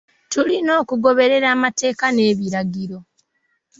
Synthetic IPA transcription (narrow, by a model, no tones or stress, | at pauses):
tulino̞ːkuɡo̞βe̞ɾe̞ɾaːmate̞ːkane̞ːβiɾaɡiɾo̞